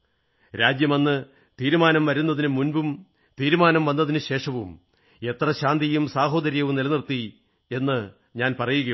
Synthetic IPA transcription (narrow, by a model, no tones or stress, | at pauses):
ɾaːd͡ʑjɐmɐnːɨ | t̪iːɾumaːnɐmʋɐɾunːɐðinɨmunbum | t̪iːɾumaːnɐmʋɐnːɐðinɨɕe̞ːʂɐʋum | e̞t̪rɐɕaːnd̪ijumsaːɦo̞ːd̪ɐɾijɐʋumnilɐnirt̪ːi | e̞nːɨ | ɲaːnpɐrɐjuɣɐ